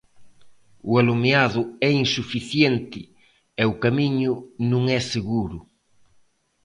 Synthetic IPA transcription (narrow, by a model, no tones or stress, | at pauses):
ʊalumeaðʊɛinsufiθjent̪ɪ | ɛʊkamiɲʊnũŋɛseɣuɾʊ